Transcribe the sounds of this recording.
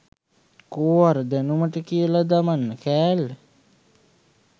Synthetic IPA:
koːʋaɾəd̪ænuməʈəkijəlad̪amanːəkæːlːe

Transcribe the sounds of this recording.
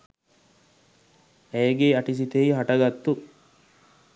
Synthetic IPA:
æjɡeɐʈis̬it̪eiɦaʈɐɡat̪ːu

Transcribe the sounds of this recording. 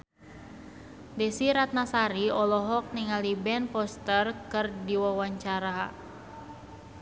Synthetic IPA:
dɛsiɾat̪̚nasaɾiɔlɔɦɔk̚niŋalibɛnpɔst̪ərkɨrdiwawaɲt͡ʃaɾa

